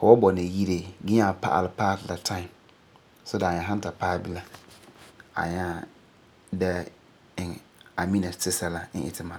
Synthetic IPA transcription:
fʊ˨wɔ˦bɔ˨nɪ˨ji˦ɾe˨ɡɪ˦ɲa˦˨pa̰˦ʔa̰˨lɪ˨˦paː˦tla˨tʰã˦ɪ˨m | sɔ˦da˨ɲa˨ɦã˦n˦ta˨paː˦bɪ˦la˦ | a̰˨ɲa˦˨ | dɛ˦ | ɪ˨ŋ˨a˨mi˦na˨sɪ˦sa˦la˦n̩˦ʔɪ̰˨tʰɪ˦ma˨˦

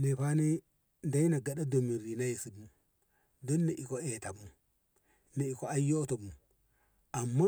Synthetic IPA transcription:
ne˨pa˦ne˦ | nda˦i˦na˨ɡa˨ɗa˦do˨mi˨ɾi˨na˦ji˨si˨bu˦m | do˦nːe˨ʔi˨ko˦e˨ta˨mu˨ | na˨i˨ko˦a˦jo˦to˨mu˨ | a˨mːa˦

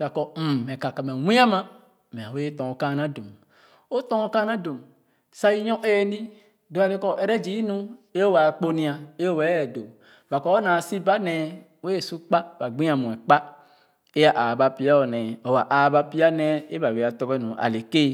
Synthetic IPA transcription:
da˨kɔ˨m̩˨ɛ˨ka˨ka˨mɛ˨wʷĩ˦a˦mã˦ | mɛ̃˨a˨we˦tɔ˨ŋo˨ka˦˨nã˦do˨m | o˦tɔ˦ŋo˦ka˦nã˦do˨m | sa˦ji˦ɲɔ̃˦ʔe˦˨nĩ˦ | do˨˦a˨le˦kɔ˦ʔɛ˨ɾɛ˦d͡ʒi˨˦i˦nũ˦e˦o˦wa˨k͡po˦nĩ˨a˨e˦o˦wɛ˨˦˨do˨ | va˨kɔ˦o˦nã˨si˦ba˦nɛ˨ | we˦e˨su˦k͡pa˦ba˨ɡ͡bĩ˦a˨mũ˨ɛ˨k͡pa˦ | e˦a˦˨ʔa˨ba˨pi˦a˦o˨nɛ˨o˨wa˨ʔa˨ba˦pi˦a˦nɛ˦e˦ba˨we˨a˨tɔ˦ɡɛ˦nũ˨ʔa̰˨le˨ke˦

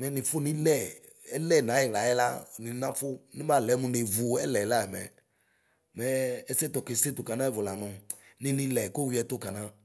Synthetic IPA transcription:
mɛ˨˦nɪ̃˨fʊ˦nĩ˦lɛ˦˨ | ɛ˦lɛ˦˨nã˨˦ɛ˨la˨˦ɛ˦la̰˦ni˨˦nã˦fʊ˦nĩ˦ba˨lɛ˨˦mũ˨ne˨vu˨ɛ˦lɛ˨la˦ɛ˨mɛ̰˨ | mɛ˨˦ɛ˦sɛ˦tɔ˨ke˨˦se˦tʊ˨ka˨nã˦ɛ˨vʊ˨la˨nɔ̃˨nɪ̃˦nĩ˦lɛ˨ko˦wi˦ɛ˨tʊ˦ka˨nã˦

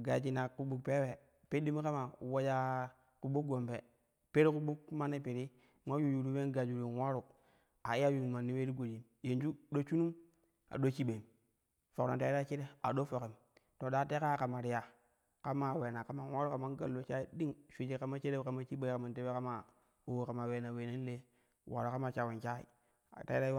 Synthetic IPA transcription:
ɡa˨d͡ʒi˨na˨ku˨ɓu˨k̚pe˦we˨ | pe˦di˦m˦ka˦ma˨wa˦d͡ʒa˦ | ku˨ɓu˦ɡo˨mpe˨ | pe˦ɾi˦ku˦bu˦kma˦nːi˦pi˨ɾi˦ | ma˦ju˦˨ju˨ɾu˦we˦nɡa˨d͡ʒu˨ɾi˨wa˦ɾu˨ | a˨i˦a˦ju˦˨nu˨ma˨nːi˦we˦ɾi˦ɡo˨di˨m | je˨nd͡ʒu˦ɗo˦t͡ʃu˦nu˦m | a̰˨ɗo˦t͡ʃi˦ɓe˨m | fo˨kma˨ta˦i˦ɾa˦t͡ʃi˦ɾe˦a˨ɗo˦fo˨ki˨m | to˨ɗa˦te˦ka˦ka˨ma˨ɾi˨ja˨ | ka˦ma˨we˨na˨ka˨ma˦nwa˦ɾu˦ka˨ma˦n˦ɡa˨lːo˨t͡ʃa˦i˦di˦ŋʃu˨d͡ʒe˦ka˦ma˦t͡ʃi˦ɾe˦a˨ma˦t͡ʃi˦ɓe˦i˦ka˨ma˨nte˦we˦ka˦ma˨ | o˦wka˨ma˨we˨na˨we˨ne˦n˦le˦ | wʔa̰˨ɾu˨ka˦ma˦t͡ʃa˨we˨nt͡ʃa˦ḭ˨ | ta˨i˦ɾa˦

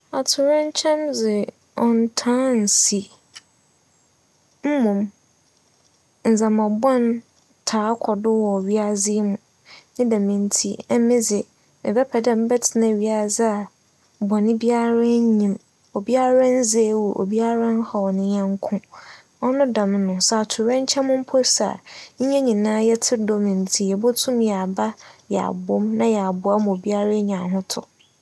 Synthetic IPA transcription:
a˨tʰʊ˨ɾɛ̃˦ɲ̩˦t͡ɕʰɛ̃˦mzɪ˨ | ɔ̃˨n˦tʰãː˦n̩˨si˨ | m̩˦mũ˨m | n̩˨zã˨mã˨bɔ̃˦n | tʰaː˨˦kʰɔ˨dʊ˦wɔ˨ɥi˦a˦zɪ˦mũ˨ | nɪ̃˦dã˨mĩ˨n˦tʰi˦ɛ˦mɪ̃˦zɪ˨ | mɪ̰̃˨bɛ˦pʰɛ˨dɛ̃˦m̩˦bɛ˦tʰɪ˨nã˨ɥi˦a˦˨zɪ˦a˨ | bɔ˨nɪ̃˦bi˦a˦ɾa˦ɲĩ˨m | o˨bi˦a˦ɾã˦n̩˦ze˦wu˨ʔo̰˨bi˦a˦ɾã˦n˦hɔ˨nɪ̃˦ɲɛ̃˦ŋ˦kʰʊ̃˦ | ɔ˦nʊ̃˦dã˨mɪ̃˦nʊ̃˨sa˨tʰʊ˨ɾɛ̃˦ɲ˦t͡ɕʰɛ˦mʊ̃˦m̩˦pʰɔ˦sa̰˨ɲ̩˦ɲɛ̃˦ɲĩ˨nãː˦jɛ˦tʰɪ˦dɔ˦mɪ̃˨n̩˨tʰi˨jɛ˨bʊ˦tʰʊ̃˦mjɛ˨a˨ba˦jɛ˨a̰˨bʊ˦mnã˦jɛ˨a˨bʊ˨a˦mʊ̃˨o˨bi˦a˦ɾa˦ɲ˨ã˨ɦʊ̃˦tʰʊ̰˨

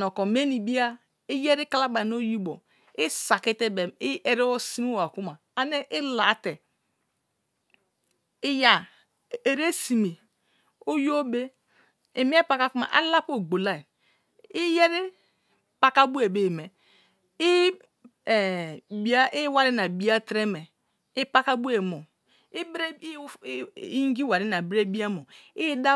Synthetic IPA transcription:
nɔ˨kɔ˨me˦ni˨bi˦a˦ | i˦je˦ɾi˦ka˦la˦ba˨no˦ji˦bo˨ | i˦sa˨ki˦te˦be˨i˦e˨ɾi˦o˦si˦mi˦a˨ku˦ma˨ | a˨ne˦ʔɪ˦la˨˦te˨ | i˦ja˨ | e˨ɾe˦si˨me˨ | o˦jo˦be˦ | i˨m˦e˦pa˨ka˦ku˦ma̰˨ʔa̰˦la˦po˦˨ɡ͡bo˨la˦˨ | i˦je˦ɾi˦ | pa˦ka˦bu˦e˨be˦˨me˨ | i˦˨ | bi˦a˦ʔi˦wa˨ɾi˦na˨bi˦a˦tɾe˦mɛ˨ | i˦pa˦ka˦bu˦e˨mo˨ | i˦bɾe˦i˦ŋ˦ɡi˦wa˨ɾi˦na˨bɾe˦bi˦a˦mo˨i˦da˦

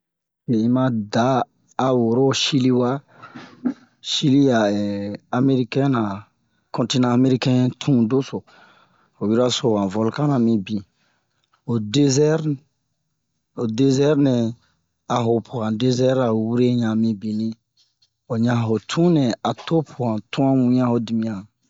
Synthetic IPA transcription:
ke˨ĩ˦mã˧daː˨˦˨ | wo˨ɾo˦˨ʃi˦li˦wa˦ | ʃi˦li˦ja˨ɛ˨a˨me˦ɾi˦kɛ̃˦nã˨ | kɔ̃˦nti˦nãː˨˦me˦ɾi˦kɛ̃˦tʰũ˦do˦so˨ | ho˨wi˦ɾa˦so˨wã˨vo˨lkã˦nã˨mĩ˧bĩ˨ | o˨de˦zɛ˦ɾ | o˨de˦zɛ˦ɾnɛ̃˨ | a˨ɦo˨pʰu˨ã˨de˦zɛ˦ɾa˨wu˦ɾe˦ɲã˨mĩ˧bĩ˨nĩ˦ | o˨ɲã˨ɦo˨tʰũ˦nɛ̃˨a˨to˦pʰu˨ɡã˨tũ˦ã˦mũ˨ɲã˦ho˨˦di˨mĩ˨ã˨

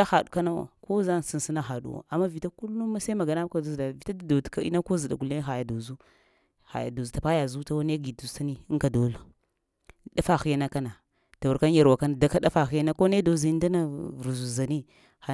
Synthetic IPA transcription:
a˦xa˨du˨ka˦na˦wa̰˨ko˦za˦n˨si˦n˨si˦na˦xa˨ɗṵ˦wa̰˨a˨mːa˦vi˨ta˦ku˦lːu˦ma˦sa˦ma˨ɡa˨na˦ka˨dzda˨vi˨ta˦da˨do˨dka˦ḭ˦na˦ko˦zi˨ɗa̰˨ɡu˨le˦xa˨ja˨do˨zu˦ | xa̰˨ja̰˨do˨zu˨ta˨pa˦ja˨zu˦ta˦wa˦n˦e˦ɡi˨du˨sa˦ni˦ŋka˨do˨˦la˨˦ | da˦fa˨xi˨˦ja˦na˦ka˦na˨ | ta˨wu˨ɾka˦n˦ja˨ɾwa˨ka˦na˨da˦ka˦da˦fa˨xi˦ja˦na˦ko˦ne˦do˨zi˦nda˦na˦vɾu˨zu˨za˨ni˦ | a˨

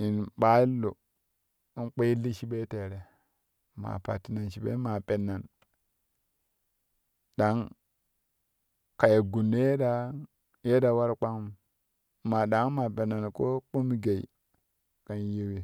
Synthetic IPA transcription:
i˨nɓa˦i˦lo˨ | i˦nk͡pe˦i˦li˦ʃi˦ɓe˦te˨ɾe˨ | ma̰˨pa̰˨ti˨na˨nʃi˨ɓḛ˦ma˨pe˨nːa˨n | da˦ŋ | ka˨je˨ɡu˨nː˦je˦da˦ | je˦da˨wa˦ɾk͡pa˦ŋ˦m˨ | ma˨ɗa˨ŋ˦ma˨be˨na˨nko˦k͡pu˦mi˦ɡe˨i˨ | ka˨nji˦wi˦

